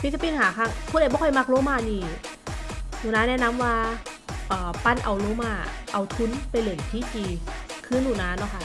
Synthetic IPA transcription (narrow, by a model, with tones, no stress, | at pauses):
pʰi˦˥t̪̚ʰːa˧pi˧nhaː˨˦kʰa˧˩kʰu˧˥˨lːbɔː˧˦kʰɔ˧˩˨jma˧˩k̚loː˧˥˦maː˧˩niː˧˩ | nuː˨˩naː˧˥nɛː˦˧˥na˧˥mwaː˧ | ʔɤː˨˩pa˧˥˨nʔa̰˧wloː˧˥˦maː˧˩ʔa˧wt̪ʰu˧˦˥npa˧jlɯː˨˩ŋt̪ʰiː˦˥˨t͡ɕiː˧kʰɯː˥˩˨nːuː˨˩naː˧˥nɔ˧˥˩kʰa˧˩